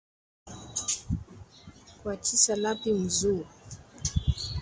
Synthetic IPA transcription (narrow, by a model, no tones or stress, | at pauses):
kwat͡ʃisalapim̩zu